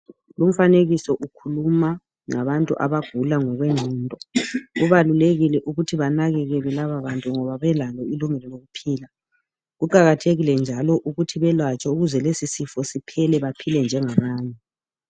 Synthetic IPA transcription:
lum̩faneɣisɔʔukʰuluma | ŋaβantʼṵʔa̰βaɡ̥ʱulaŋɔɣweŋ͡ǀʱiːntʼɔɣuβaluleɣilɛʔuɣutʰiβanaɣɛɣɛlɛlaβaβantʼuŋɔβaβɛlalɔiluŋɛlɔloɣupʰiːla | ɣuǃaɣatʰeɣilɛnd͡ʒʱalɔʔuɣutʰiβɛlwat͡ʃʼauɣuzɛlesisifɔsipʰɛlɛβapʰilɛnd͡ʒʱɛŋaβaːɲɛ

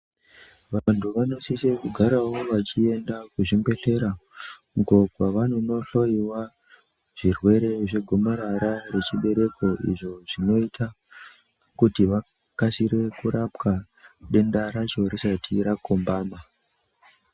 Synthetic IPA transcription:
ʋantʰuʋano̞sisekuɡʱaɾawo̞ʋat͡ʃie̞ndakuʐimbe̞ɬe̞ɾauɡo̞ɡʱwaʋano̞no̞ɬo̞iwa | ʐ̥irwe̞ɾe̞ʐe̞ɡʱo̞moɾaɾare̞t͡ʃiɓe̞ɾe̞kʰo̞ḭʐo̞ʐino̞itʰa | kutiʋa | kasiɾe̞kuɾapka | ɗe̞ndaɾat͡ʃorisatʰiɾako̞mbaːma

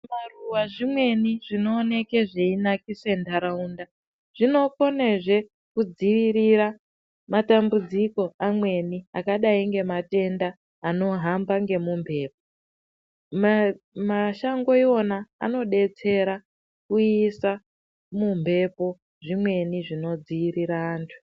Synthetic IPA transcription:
maruwaʐimwe̞niʐino̞ːne̞ke̞ʐeinakise̞ndaɾaunda | ʐ̥ino̞ko̞ne̞ʐe̞ | kud͡ziʋiɾiɾa | matambud͡ziko̞amwe̞niakaɗaiŋɡe̞mate̞ndaː | no̞ɦambaŋɡe̞mumbʱe̞ːp̚o | maʃaŋɡo̞iwo̞na̰ːno̞ɗe̞t͡se̞ɾa | kuisa | mumbʱe̞po̞ | ʐimwe̞niʐino̞d͡ziʋiɾiɾaːntʰu̥

